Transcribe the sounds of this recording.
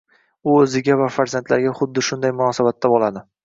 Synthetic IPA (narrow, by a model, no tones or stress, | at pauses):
ʊɵzɪɡʲavafaɾzant̪ʰlaɾɡʲaχʊd̪ːɪʃʊnd̪ajmʊnɒːsabat̪ʰːabolˠad̪ɪ